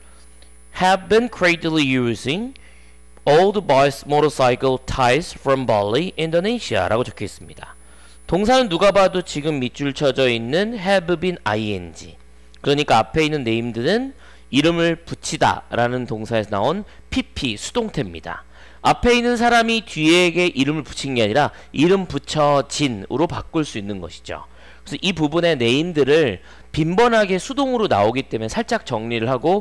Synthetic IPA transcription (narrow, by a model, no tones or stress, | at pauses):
hɛvbinkʰɾedilijuziŋ | oldbajsmoɾʌs͈ajikɯltʰajsfɾʌmbalːiʔindoneɕʰia̰ɾʔa̰ɡot͡ɕo̥kʰies͈ɯmɲid̥a | toŋsʰanɯnːuɡabadot͡ɕiɡɯmːit͡ɕ͈ʰuɭt͡ɕʰʌd͡ʑʌinːɯnɦebɯbina̰iḛnd͡ʑḭ | kɯɾʌɲik͈aapʰe̞inːɯnːe̞imdɯɾɯn | iɾɯmɯɭput͡ɕʰida̰ɾanɯntoŋsʰae̞sʰʌna̰on | pʰipʰisʰu̥d̥oŋtʰe̞mɲida̰ | apʰe̞inːɯns̬ʰaɾamitɥieɡe̞ʔiɾɯmɯɭpu̥t͡ɕʰinɡe̞aɲiɾa | iɾɯmput͡ɕʰʌt͡ɕinɯ̰ɾopak͈ɯɭs͈uinːɯnɡʌ̰ɕʰi̥d͡ʑo̰ | kesʰʌʔipubune̞ne̞imdɯɾɯɭ | pimbʌnɦaɡe̞sʰudoŋɯɾona̰oɡit͈e̞mesʰaɭt͡ɕ͈ak̚t͡ɕ͈ʌŋɲiɾɯɭɦaɡo